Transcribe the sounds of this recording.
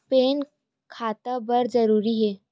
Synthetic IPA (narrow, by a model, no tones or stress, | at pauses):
peːn | kʰaːt̪abəɾzəɾuːɾiɦɛː